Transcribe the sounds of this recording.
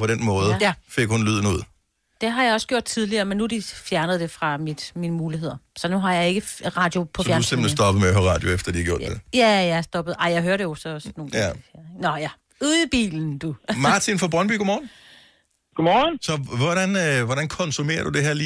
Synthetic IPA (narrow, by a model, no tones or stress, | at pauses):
pʰɒɾ̥enmɔ̽ːðˠfe̝ɡ̥honlyð̞̰ˠn̩uð̰ˠ | d̥e̝ɦɑ̈jɑ̈ɪɒ̽sɡ̥jo̝̰d̥̚t͡sʰið̞ˠliɐmenːuæd̥ifjæɐnəð̞̩ˠd̥e̝fʁɑ̈mid̥miːnəmuːliɦe̝ð̞̰ˠɐsɒ̽nuɦɑ̈jɑ̈ɪe̝ɡ̥əʁɑ̈ːd̥jo̝pʰɒfjæɐusem̰b̥l̩nsd̥ɒ̽b̥ð̩ˠmeæhøʁɑ̰̈ːd̥jo̝efd̥ɐd̥ihɡ̥jo̰d̥ejæjæsd̥ɒ̽b̥ð̩ˠɑ̈ɪ̰jɑ̈ɪɦøːɐɾe̝jo̝sɒ̽sno̝ːn̩ɡieɐeɡnɒjæ | uðˠb̥ḭːln̩d̥umɑ̈t͡sʰinfɒb̥ʁɒnb̥y̰ːɡ̥omɒːn̩ | ɡ̥omɒːnsɒ̽ʋɒɾænʋɒɾænkʰɒ̽nsume̝̰ːɐd̥ud̥e̝ɦeɐliː